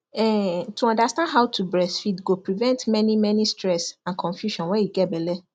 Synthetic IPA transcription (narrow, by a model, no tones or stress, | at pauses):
ɛtʰuɔ̃ndastãndɦaʊtʰubɹɛsfidɡopɹivɛ̃ntmɛ̃nĩmɛ̃nĩstɹɛsãnkʰɔ̃ɱfjuʃɔ̃nwɛ̃jiɡɛbɛlɛ